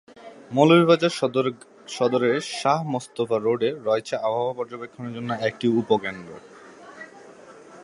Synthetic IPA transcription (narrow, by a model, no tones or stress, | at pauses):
molobiβad͡ʑa | ʃɔd̪oɾeɾʃaɦmost̪ofaɾoɖeɾɔet͡ɕʰeabʱabopɔɾd͡ʑobekʰːoneɾd͡ʑonːoek̚ʈiupokenɖɾo̰